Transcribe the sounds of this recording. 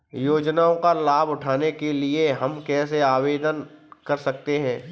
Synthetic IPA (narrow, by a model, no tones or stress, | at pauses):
joːd͡ʒnaːõkalaːbʊʈʰaːnekelieɦɐmkɛːs̬eaːʋeːd̪ənkɐɾsɐk̚t̪eɦɛ̃ː